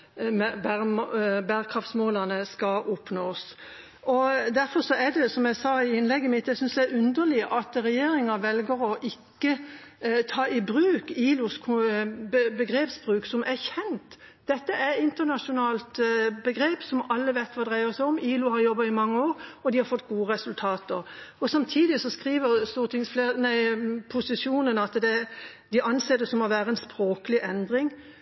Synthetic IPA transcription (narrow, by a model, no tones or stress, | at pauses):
bæmbæːɾkʰɾɑft̪smoːlɑnəskɑʔɔpnoːs | ɔd̪æɾfɔɾsɔæd̪ɛsɔmjæɪsɑːɪɪnlɛɡːəmɪt̪ːɛɪsʏnsd̪ææɾʉnd̪əlɪʔɑt̪ɾɛjeːɾɪŋɑʋɛlɡəɾɔʔɪkːət̪ʰɑːɪbɾʉːkiːlʊskʰbbəɡɾeːpsbʁʉːksɔmʔæçɛnt̪ | d̪̥ɛt̪ːəʔæɾɪnt̪ənɑʂʊnɑːlt̪bəɡɾeːpsɔmɑlːəʋæɪt̪ʰʋɑːd̪ʁæɪəʁsæɔmiːlʊhɑɾjɔbːɑɪmɑŋːəoːɾɔd̪ɪhɑɾfɔt̪ːɡuːəʁɛsʉlt̪ʰɑːt̪əʁɔsɑmt̪ʰiːd̪ɪsɔskʁiːʋəʁst̪uːət̪ʰɪŋsfleːnæɪpʰʊsɪsuːnənɑt̪d̪ɛ | d̪ɪʔɑnseːd̪ɛsɔmːɔʋæːɾəɛnspɾoːkəlɪʔɛnd̪ɾɪŋ